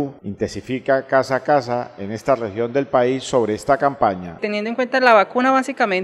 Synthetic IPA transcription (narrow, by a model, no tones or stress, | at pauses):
int̪ensifikakasakas̬aene̞st̪arexjo̞nd̪e̞lpaisːo̞β̞ɾe̞est̪akampaɲa̰t̪enjend̪oŋkwe̞nt̪alaβakunaβasikamẽn